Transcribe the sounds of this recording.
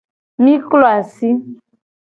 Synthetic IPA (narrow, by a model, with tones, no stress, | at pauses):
mi˦klo˦a˨si˦